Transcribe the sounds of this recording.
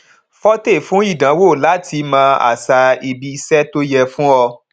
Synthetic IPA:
fɔ˦te˦˨fũ˨˦i˦˨dã˨˦wo˦˨la˨˦tʰi˧mã˧ʔa̰˨sa˧i˧bi˧sɛ˦to˦jɛ˧fũ˦ɔ˧

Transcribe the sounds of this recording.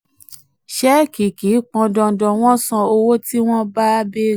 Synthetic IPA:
ʃɛ˦ki˨ki˨˦k͡pɔ̃˧dɔ̃˧dɔ̃˧w̃ɔ̃˦sã˧o˧wo˦ti˦w̃ɔ̃˦ba˦be˦

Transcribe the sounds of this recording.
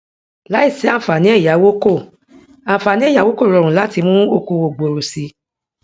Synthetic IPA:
la˦i˦˨si˨˦ã˦˨fa˨nĩ˨˦ɛ˦˨ja˨˦wo˦ko˦˨ | ã˨fa˨nĩ˨˦ɛ˦˨a˨˦wo˦ko˦˨ɾɔ˨ɾ̃ũ˨la˨˦ti˧mũ˦o˧ku˧wo˨ɡ͡bo˨ɾo˨si˧

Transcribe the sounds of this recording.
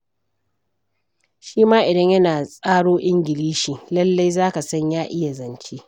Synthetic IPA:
ʃiː˦maː˦ʔɪ˨dɐ˦ɲjɐ˦naː˨sʼaː˦ɽoː˦ʔɪ˦ŋɡʲɪ˨liː˦ʃiː˨lɐ˦lːa˦jzaː˦ka˨sɐ˦ɲjaː˦ʔɪ˦ja˨zɐ˨nt͡ʃeː˦

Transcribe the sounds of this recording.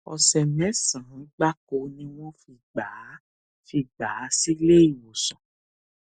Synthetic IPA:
ɔ̰˨sɛ˨mɛ̃˨˦sã˨˦ɡ͡ba˦ko˧nĩ˦w̃ɔ̃˦fi˧ɡ͡ba˨˦ | fi˧ɡ͡baː˨˦si˦le˦i˨wo˨sɔ̃˨

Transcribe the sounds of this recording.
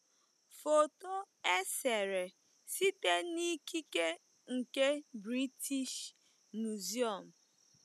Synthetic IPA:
fo˨to˦ | e˦se˨ɾe˨ | si˦te˦ni˦ki˦ke˦ | ŋ̩˨ke˦bɾi˦tʰi˦ʃ | nu˨zi˦ɔ˨m̩˨

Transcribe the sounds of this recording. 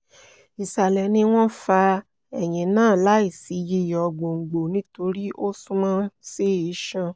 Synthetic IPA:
i˨sa˨lɛ˨nĩ˧w̃ɔ̃˦fa˧ | ɛ˨j̃ĩ˨nãː˦˨la˦i˦˨si˨˦ji˧˦˨jɔ˨ɡ͡bo˨ŋ̩˨ɡ͡bo˨nĩ˦to˧ɾi˦ʔo˦sũ˦mã˦se˦˨i˨˦ʃã˧

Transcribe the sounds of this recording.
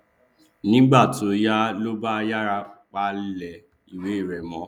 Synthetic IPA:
nĩ˦ɡ͡ba˦˨to˨˦ja˦lo˦ba˦˧ja˦ɾa˧k͡pa˧lɛ˨ | i˨we˨˦i˦˨ɾɛ˨mɔ̃˨˦

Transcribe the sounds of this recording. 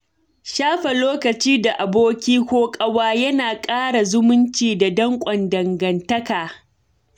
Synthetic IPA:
ʃaː˦ɸɐ˨loː˦kɐ˨t͡ʃiː˦da˨ʔa˨boː˦kʲiː˦kʷoː˦kʼɐ˦waː˦jɐ˦naː˨kʼaː˦ɽa˨zʊ˦mʊ˦nt͡ʃiː˨da˨dɐ˦ŋkʷʼɐ˨ndɐ˨ŋɡɐ˨ntɐ˦kaː˨

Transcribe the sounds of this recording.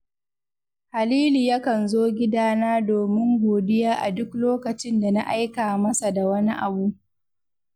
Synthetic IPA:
ha˨liː˦liː˨ja˦kɐ˨nzoː˦ɡʲɪ˦daː˦naː˦doː˨mɪ˦ŋɡʷoː˨dɪ˦jaː˦ʔa˨dʊ˦kloː˦kɐ˨t͡ʃɪ˦nda˨na̰˦ʔa˦jkaː˨mɐ˦sa˨da˨wɐ˦ni˦ʔa˨bu˦ʔ

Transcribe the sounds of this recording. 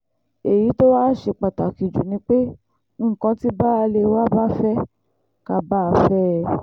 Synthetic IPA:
e˨ji˨˦to˦waː˦ʃe˧˨k͡pa˨ta˨ki˨d͡ʒṵ˨nĩ˧k͡pe˦˨ | kã˧ti˦ba˦a˧le˧wa˦ba˦fɛ˦ | ka˧ba˦a˧fɛ˦˧

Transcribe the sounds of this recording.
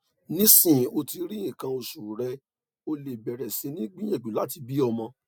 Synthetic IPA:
nĩ˦sĩ˦˨o˧ti˧ɾi˦ĩ˦˨kã˧o˧su˨ɾɛ˧ | o˧le˨bɛ˨ɾɛ˨se˧nĩ˦ɡ͡bĩ˦ɛ̃˦˨ɡ͡bi˨la˦ti˧bi˦ɔ˧mɔ̃˧

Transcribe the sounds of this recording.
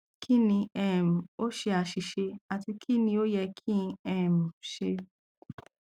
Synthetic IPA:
kʰi˦nĩ˧ɛ˦˨m̩˨o˦ʃe˧a˨ʃi˨ʃe˧a˨ti˧kʰi˦nĩ˧o˦jɛ˧kʰĩ˦˧ɛ˦˨m̩˨ʃe˧

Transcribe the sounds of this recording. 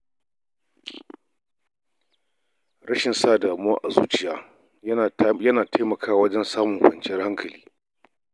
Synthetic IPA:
ɽɐ˦ʃɪ˨nsaː˦˨daː˨mʊ˦aː˦ʔa˨zuː˦t͡ʃɪ˨jaː˦˨ | jɐ˦naː˨tʰa˦jmɐ˨kʰaː˦˨wɐ˦d͡ʒɛ˦nsaː˦mʊ˨ŋkʷɐ˨nt͡ʃɪ˦jɐ˦rha˦ŋkʰɐ˨lḭː˦

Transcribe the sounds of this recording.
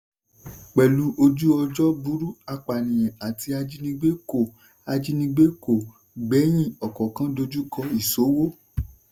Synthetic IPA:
k͡pɛ˨lu˨˦ʔo˧d͡ʒu˦ɔ˧d͡ʒɔ˦bu˦ɾu˦a˧k͡pa˨nĩ˨jɛ̃˨a˨ti˧a˧d͡ʒi˦nĩ˧ɡ͡be˦ko˦˨ | a˧d͡ʒi˦nĩ˧ɡ͡be˦ko˦˨ | ɡ͡bɛ˨˦j̃ĩ˦˨ɔ˨kɔ̃˨kã˦do˧d͡ʒu˦kɔ˧i˦˨so˨˦wo˦

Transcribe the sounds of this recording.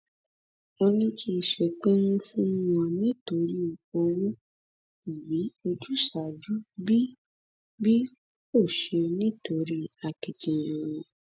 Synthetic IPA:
o˧nĩ˧kʰi˦˨ʃɛ˨k͡pe˦nũ˦fũ˦wɔ̃˧nĩ˦to˨˦ɾi˦˨o˧wũ˦ | i˨bi˨˦o˧d͡ʒu˦ʃa˨d͡ʒu˨˦bi˦ | bi˦ | o˦˨ʃe˧nĩ˦to˨˦ɾi˦a˨ki˨tĩ˨ɛ̃˧ɾ̃ɔ̃˨

